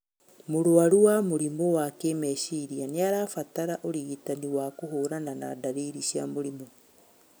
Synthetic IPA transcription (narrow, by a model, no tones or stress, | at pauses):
moɾoaɾuwamoɾimɔwakemɛʃiɾianeaɾaːfataɾaʔoɾiɣitaniwakoɦoːɾanana̰daɾiɾiʃjamoɾimɔ